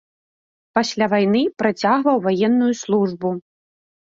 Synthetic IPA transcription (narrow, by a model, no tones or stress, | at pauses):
pasʲlʲavajn̪ɨpɾat͡sʲaɣvɐwvajɛnːujuslˠuʐbu